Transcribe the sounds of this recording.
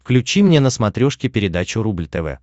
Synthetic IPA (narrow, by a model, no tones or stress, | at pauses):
fklʲʉt͡ɕimnʲenəsmɐt̪ɾʲoʂkʲɪpʲɪɾʲɪd̪at͡ɕʊɾublʲt̪ɛvɛ̰